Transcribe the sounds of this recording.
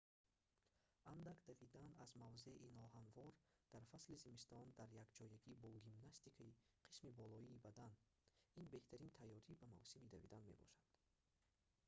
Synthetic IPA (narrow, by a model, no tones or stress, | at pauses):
and̪akd̪avid̪anazmavzeiinɔɦanvɔɾd̪̥aɾfaslizimist̪ɔnd̪aɾjaɡd͡ʒɔjaɡibɔɡimnast̪ikʰaiqʰi̥smibɔlɔiːbad̪an | inbe̞ht̪ʰaɾint̪ʰajːɔɾibama̰vsimid̪avḭd̪anme̞̰bɔ̰ʃad̪̥